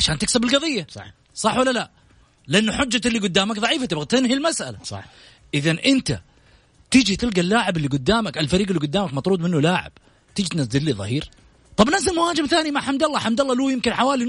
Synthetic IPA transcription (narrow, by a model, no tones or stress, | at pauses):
ʕaʃaːnt̪ɪksabɪlɡɑðˤɨjːaˤ | sˤɑħːwalːala | lɪʔanːʊħʊd͡ʒːaɪlːiːɡʊd̪ːaːmakðˤɑʕiːfat̪ɪbɣat̪ɪnɦilmasʔa̰laˤɑ̰ | ʔɪðanʔɪnt̪a̰ | t̪ɪd͡ʒit̪ɪlɡalːaːʕɪbɪlːiɡʊd̪ːaːmakalfaɾiːɡɪlːiɡʊd̪ːaːmakmɑt̪ˤɾuːd̪ˤmɪnːulaːʕɪ̰b̥ | t̪ɪd͡ʒit̪nazd̪ɪd̪liːðˤɑ̰hiːɾ | t̪ˤɑbnazɪlmʊhaːd͡ʒɪmθaːnimaʕħamd̪ɑlˤːɑːħamd̪ɑlˤːɑluːjɪmkɪnħawaːli